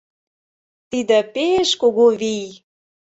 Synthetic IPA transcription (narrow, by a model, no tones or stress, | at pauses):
t̪id̪ĕpeʃkoɣoβij